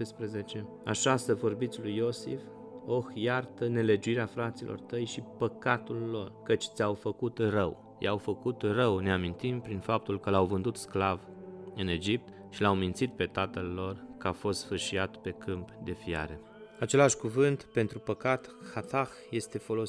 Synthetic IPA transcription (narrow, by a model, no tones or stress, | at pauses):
espɾəzet͡ʃe̞ | a̰ʃasəvo̞rbit̪sʲlujo̞sḭf | o̞xjart̪əne̞le̞d͡ʒuiɾeafɾat̪silʔo̰rt̪əjʃipəkat̪ulːo̞rkət͡ʃʲt̪sʲawfəkut̪rəw | ja̰wfəkut̪rəwne̞amint̪impɾinfap̚t̪ulkəlawvɨnd̪ut̪sklav | ɨne̞d͡ʒip̚t̪ | ʃilawmint̪sit̪̚pe̞t̪at̪əlːo̞rkəafo̞st̪fɨrʃiat̪pe̞kɨmpd̪e̞fia̰ɾe̞ | at͡ʃe̞laʃʲkuvɨnt̪pe̞nt̪ɾupəkat̪xat̪axje̞st̪e̞fo̞lo